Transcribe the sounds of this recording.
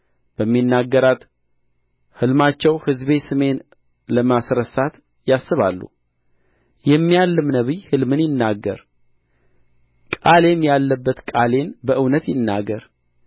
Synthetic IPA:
b̥əmːinːaɡːəɾat̪ | hɨlmat͡ʃːɛwhɨzβe̞sɨme̞n | ləmasɾəsat̪ | jasːɨβa̰lːṵ | jɛmːijalːɨmnəβihɨlmɨnjɪnːaɡːə̰ɾ | kʼale̞mjalːəbːət̪kʼale̞nbəʔɨwnət̪jɪnːaɡəɾ

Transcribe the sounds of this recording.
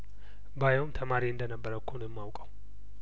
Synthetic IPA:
bajɛwmt̪ʰəmaɾiɨnd̪ənəbːəɾəkʰːonjɛmːawkʼəw

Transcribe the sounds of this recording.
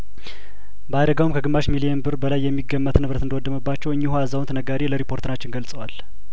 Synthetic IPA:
bəad̪əɡawumkʰəɡɨmːaʃmilijɛnbɨɾbəlajːɛmːiɡːəmːət̪nɨβɾət̪ɨnd̪əwɔd̪ːəməbːat͡ʃːɛwɨɲːihuazawnt̪ʰənəɡaɾeləɾipʰo̞ɾt̪ɨnat͡ʃːɪnɡəlsʼəwal

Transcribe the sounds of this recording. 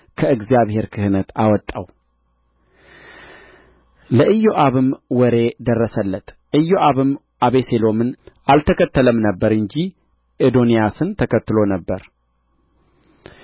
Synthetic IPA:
kʰəɨɡzijaβhe̞ɾkʰɨhɨnət̪awɔt̪ʼːaw | ləʔɨjːoʔaβɨmwɔɾe̞d̪ərːəsəlːət̪ | ʔɨjːoʔaβɨm | ʔaβe̞selo̞mɨnʔalt̪ʰəkʰət̪ːələmnəbːəɾɨɲd͡ʒi | ʔɨd̪onijasɨnt̪ʰəkʰət̪ːɨlo̞nəbːəɾ

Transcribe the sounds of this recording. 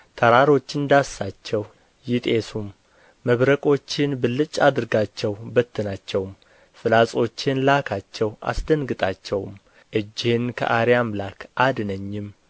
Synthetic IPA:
t̪ʰəɾaɾo̞t͡ʃːɪnd̪asːat͡ʃːɛw | jɪt̪ʼe̞sumː | əβɾəkʼo̞t͡ʃːɪnbɨlːɨt͡ʃʼːad̪ɨɾɡat͡ʃːɛwbət̪ːɨnat͡ʃːɛwm | fɨlasʼo̞t͡ʃːɪnlakʰat͡ʃːɛwa̰sd̪ənɡɨt̪ʼat͡ʃːɛwm | ʔɨd͡ʒːɪhɪnkʰə̰ʔaɾijamlakʰʔad̪nəɲːɪm

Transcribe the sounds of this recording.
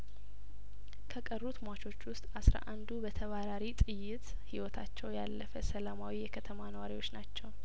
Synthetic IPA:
kʰəkʼərːut̪ʰmʷat͡ʃʰo̞t͡ʃːwʊst̪ʼasɾa̰ʔand̪ubət̪ʰəβaɾaɾit̪ʼɨjːɪt̪ | hiwɔt̪ʰat͡ʃːɛwjalːəfəsəlamawijɛkʰət̪ʰəmanəwaɾiwo̞t͡ʃːnat͡ʃːɛw

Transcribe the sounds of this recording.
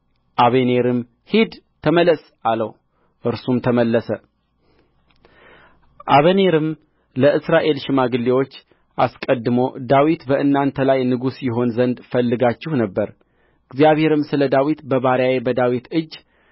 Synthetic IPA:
ʔaβene̞ɾɨm | hid̪t̪ʰəmələs | aləw | ʔɨɾsumt̪ʰəməlːəsə | ʔaβəneɾɨm | ləʔɨsɾaʔe̞lʃɪmaɡɨlːewo̞t͡ʃː | ʔaskʼəd̪ːɨmo̞d̪awit̪bəʔɨnːant̪ʰəlajnɨɡusjɪɦo̞nzənd̪fəlːɨɡat͡ʃːɪhnəbːəɾ | ɨɡzijaβhe̞ɾɨmsɨləd̪awit̪bəβaɾjawebəd̪awit̪ɨd͡ʒː

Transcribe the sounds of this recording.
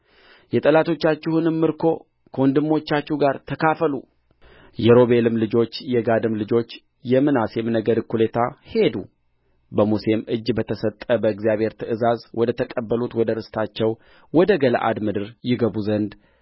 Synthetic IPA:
jɛt̪ʼəlat̪ʰo̞t͡ʃːat͡ʃːɪhunɨmːɨɾkʰo̞ | kʰəɔnd̪ɨmːo̞t͡ʃːat͡ʃːuɡaɾt̪ʰəkʰafəlu | jɛɾo̞βe̞lɨmlɨd͡ʒo̞t͡ʃːjɛɡad̪ɨmlɨd͡ʒo̞t͡ʃː | jɛmːɨnasemnəɡəd̪kʰːulet̪ʰahe̞d̪u | bəmuse̞mʔɨd͡ʒːbət̪ʰəsət̪ʼːəbəɨɡzijaβhe̞ɾt̪ʰɨʔɨzazwɔd̪ət̪ʰəkʼəbːəlut̪wɔd̪əɾɨst̪ʰat͡ʃːɛw | wɔd̪əɡələ̰ʔa̰d̪mɨd̪ɨɾjɪɡəβuzənd̪

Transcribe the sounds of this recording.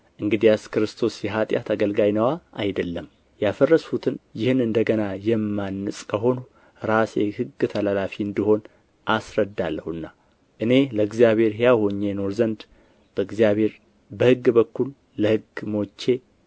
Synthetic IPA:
ʔɨŋɡɨd̪ijaskɨɾɨst̪ʰo̞sjɛɦat̪ʼja̰t̪ʰaɡəlɡajnəwaajd̪əlːəm | jafərːəsut̪ʰɨnjɪhɨnɨnd̪əɡənajɛmːanːɨsʼkʰəɦo̞nu | ɾasehɨɡːɨt̪ʰəlalafiɨnd̪iho̞n | ʔasɾəd̪alːəhuɨnːa | ʔɨne̞ləɨɡzijaβhe̞ɾhjaho̞ɲːeno̞ɾzənd̪ | b̥əɨɡzijaβhe̞ɾ | bəhɨɡːbəkːulː | əhɨɡmo̞t͡ʃːe̞

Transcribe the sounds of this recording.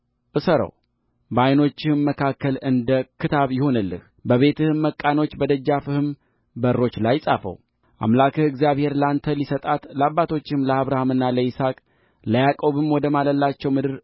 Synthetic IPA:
ʔɨsəɾə̰w | bəajno̞t͡ʃːɪhɨmːəkʰakːəlɨnd̪əkʰɨt̪ʰaβjɪho̞nɨlːɨ̰h | bəβe̞t̪ʰɨhɨmːəkʼːano̞t͡ʃːbəd̪əd͡ʒːafɨhɨm | bəɾːo̞t͡ʃːlajsʼa̰fə̰w | ʔa̰mlakʰɨhɨɡzjaβhe̞ɾlant̪ʰəlisət̪ʼat̪labːat̪ʰo̞t͡ʃːɪhmləaβɾahamɨnːaləisakʼ | ləjakʼo̞βɨmwɔd̪əmaləlːat͡ʃːɛwmɨd̪ɨɾ

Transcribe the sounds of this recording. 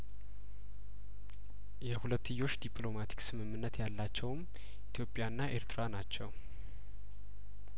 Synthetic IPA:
jɛhulət̪ːɨjːo̞t͡ʃːd̪ipʼlo̞mat̪ʰi̥ksɨmɨmːɨnːət̪jalːat͡ʃːɛwm | ʔit̪ʰjo̞pʼjaɨnːaʔe̞ɾt̪ʰɾanat͡ʃːɛw

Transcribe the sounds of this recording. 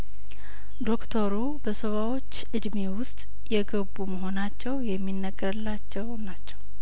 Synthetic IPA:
d̪o̞kt̪ʰoɾu | bəsəβawo̞t͡ʃːʔɨd̪me̞wʊst̪ʼ | jɛɡəbuməɦo̞nat͡ʃːɛwjɛmːinːəɡːəɾɨlːat͡ʃːɛwnat͡ʃːɛw

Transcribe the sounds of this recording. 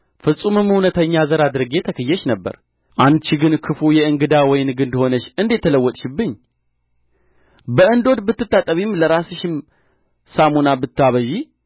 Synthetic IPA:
fɨsʼumɨmhunət̪ʰəɲːazəɾad̪ɨɾɨɡe̞t̪ʰəkʰəjːɛʃnəbːə̰ɾ | ʔant͡ʃiɡɨnkʰɨfujɛɨŋɡɨd̪awɔjɪnɡɨnd̪ho̞nəʃɨnd̪et̪ʰːələwːɔt̪ʼʃɪbːɨɲː | bəʔɨnd̪o̞d̪bɨt̪ːɨt̪ːat̪ʼəβimləɾasɨʃɪm | samunabɨt̪ːɨaβəʒi

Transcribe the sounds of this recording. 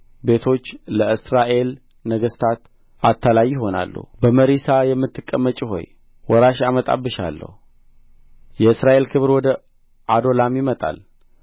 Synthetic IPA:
be̞t̪ʰo̞t͡ʃːləɨsɾaʔe̞l | nəɡəst̪ʰat̪ | at̪ʰːalajːɪɦo̞na̰lːə̰hbəməɾisajɛmːɨt̪ːɨkʼːəmːət͡ʃʼiɦo̞̰j | wɔɾaʃamət̪ʼa̰bːɨʃa̰lːə̰hu | jɛɨsɾaʔe̞lkʰɨβɾwɔd̪ə | ʔad̪o̞lamjɪmət̪ʼa̰l

